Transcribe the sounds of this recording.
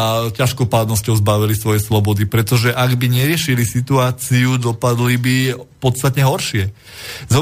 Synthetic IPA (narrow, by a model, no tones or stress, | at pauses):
caʃkɔpaːd̪nɔscɔʊzbaʋilisʋɔjɛslɔbɔd̪ipɾɛt̪ɔʒɛʔaɡbiɲɛɾɪɛʃilisit̪uaːt͡siud̪ɔpad̪libipɔt̪st̪at̪ɲɛɦɔɾʃɪɛ | zɔ